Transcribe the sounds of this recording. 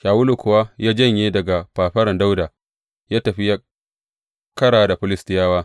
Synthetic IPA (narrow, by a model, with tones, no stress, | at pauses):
ʃaː˨wʊ˦lu˨kʷʊ˨wa˦jaː˦d͡ʒɐ˦˨ɲje˦dɐ˨ɡa˨paː˨ɸɐ˦ɾɐ˨nda˦wdaː˨ | jaː˦tɐ˨ɸi˦jaː˦ | kɐ˦ɽaː˨da˨ɸɪ˦lɪ˦stɪ˦jaː˦waː˦